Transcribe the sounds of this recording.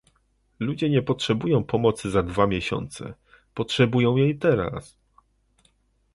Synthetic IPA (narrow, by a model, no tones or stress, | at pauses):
lud͡ʑɛɲɛpɔtʂɛbujɔ̃w̃pʰɔmɔt̪sɘzad̪vamʲjɛɕɔ̰nt̪sɛ̰ | pɔtʂɛbujɔ̃w̃jejt̪ɛɾa̰s